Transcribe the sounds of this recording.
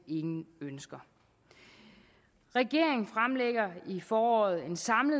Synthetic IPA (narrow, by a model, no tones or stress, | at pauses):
e̝ŋn̩ønsɡ̥ɐ | ʁɛɡ̥e̝ɐ̰e̝ŋn̩fʁamleɡ̥ɐifɒːɒːð̞̩ˠe̝nsɑ̈mləð